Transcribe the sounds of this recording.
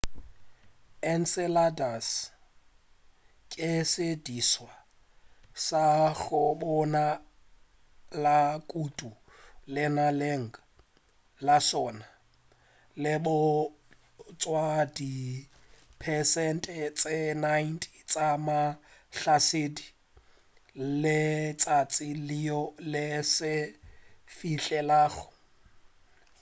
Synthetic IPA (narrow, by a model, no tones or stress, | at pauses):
ɛn̩sɛladas | kʼɪsediswa | saɣʊbɔna | lakʼutʼu | lɪnaleŋ̩a | lasɔna | lɪbʊ | t͡sʼwadi | pʰɛsɛntʼɛt͡sʼɪnajntʰʼit͡sʼamaɬasɪdi | lɪt͡sʼat͡sʼɪliɔlɪsɪ | fiɬɛlaːɣʊ̥